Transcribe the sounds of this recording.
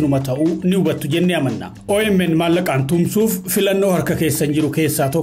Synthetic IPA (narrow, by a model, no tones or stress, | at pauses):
ɪnʊmɐt̪ɐʔunɪʊbɐt̪ːʊd͡ʒɛnːeɐmɐnːa̰ːʔoːɛmːɛnmaːlːɐkʼaːnt̪ʊmsuːfːɪlɐnːoːhɐɾkɐke̞ːsːɐnd͡ʒɪɾʊke̞ːsːaːt̪ɔ